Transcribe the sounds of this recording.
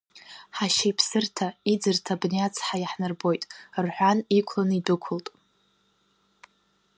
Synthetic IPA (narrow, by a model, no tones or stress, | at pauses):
ħaʃejpʰsɨrtʰaid͡zɨrtʰabnejat͡sʰħajaħnɨrbo̞jtʼrħʷᶣanikʷʰlanɨidɨkʷʰʊltʼ